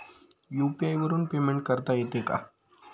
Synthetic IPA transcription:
juːpiajʋəɾuːnpemẽɳʈ̚kəɾt̪ajet̪eka̰

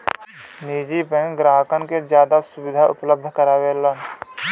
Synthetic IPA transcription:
niːd͡ʒipẽɡɾaːɦəkənkezjaːd̪asʊbɪd̪ʱaʔʊ̰pləb̚d̪ʱkəɾaːʋeːlən

